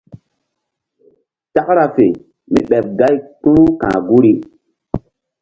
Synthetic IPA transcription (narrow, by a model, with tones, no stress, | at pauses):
ta˦kɾa˨fe˨ | mḭ˦ɓɛ˨p̚ɡa˦jk͡pũ˦u˦kã̰ː˨ɡu˦ɾi˦